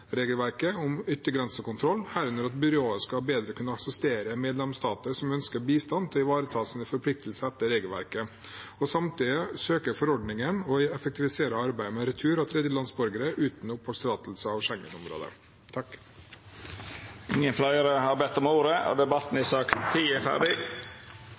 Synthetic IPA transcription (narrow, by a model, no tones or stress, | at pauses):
ɾeːɡəlʋæɾkəɔmʏt̪ːəɡɾɛnsəɔkʊnt̪ʰɾɔlːhæːɾʉnəɾɑt̪bʏɾɪoːəskɑbeːd̪ɾəkʰʉnːəɑksɛst̪eːɾəmeːd̪lɛmst̪ɑːt̪əsɔmœnskəɾbiːst̪ɑnt̪ʰɛɪʋɑːɾət̪ʰɑːsɪnəfɔɾpʰlɪk̚t̪əlsəɛt̪ːəɾeːɡəlʋæ̰ɾkə | ɔsɑmt̪iːd̪əsøːkəɾfɔɾɔɖnɪŋənɔɛfəkt̪ɪʋɪseːɾəɑɾbæɪmɛɾɛt̪ʰʉːɾɑt̪ʰɾɛd̪jəlɑnsbɔɾɡəɾəʔʉːt̪n̩ʊpʰːɔst̪ɾɑːt̪l̩səɑʋʂɛŋːə̰nɔmɾo̰ːd̪ə̰ | t̪ʰɑkː | ɪŋənflɑɪəɾəhɑbɛt̪ːɔmuːɾəo̰d̪ɛbɑt̪n̩ɪsɑːkt̪ʰːiːæfæ̰ɖɪ